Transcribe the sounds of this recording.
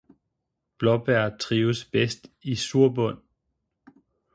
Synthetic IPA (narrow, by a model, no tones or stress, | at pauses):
b̥lɒb̥æɐ̰t͡sʰʁiːʊsb̥esd̥isuɐ̰bɔ̽n̰